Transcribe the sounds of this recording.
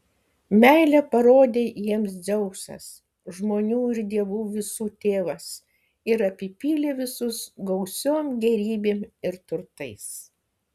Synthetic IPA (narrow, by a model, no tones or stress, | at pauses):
mʲæˑɪlʲɛpɐɾoːd̪ʲeːjiɛms̬d͡z̪ʲɛʊsɐ̰s | ʒmoːnʲuːɪɾd̪ʲiɛʋuːʋʲɪsuːt̪ʲeːʋɐs | ɪɾɐpʲɪpʲiːlʲeːʋʲɪsʊsɡɐʊsʲoːmɡʲɛɾʲiːbʲeːmɪɾt̪ʊɾt̪ɐɪs